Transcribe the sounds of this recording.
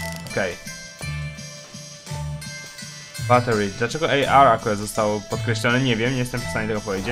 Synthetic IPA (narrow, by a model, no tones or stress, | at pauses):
ɔkɛj | bat̪ɛɾid̪lat͡ʂɛɡɔʔɛjʔaɾakuɾad̪zɔst̪awpɔt̪̚kɾɛɕlʲɔnɘɲevʲjɛmɲejɛst̪ɛmfst̪aɲɛt̪ɛɡɔpɔvjed͡ʑe